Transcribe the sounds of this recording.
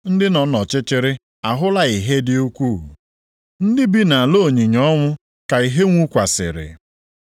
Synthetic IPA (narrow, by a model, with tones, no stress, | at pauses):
n̩˦dɪ˦nɔ˨nɔ˨t͡ʃɪ˦t͡ʃɪ˦ɾɪ˦ | a˨ɦʊ˦la˦i˨ɦe˦dɪ˦o˦kʷu˦˨ɦṵ˨ | n̩˦dɪ˦bi˦na˨a˨lo˦˨ɲi˨ɲɔ˦ŋʷʊ˦ | ka˨i˨ɦe˦ŋʷu˦kʷa˨sɪ̰˨ɾɪ̰˨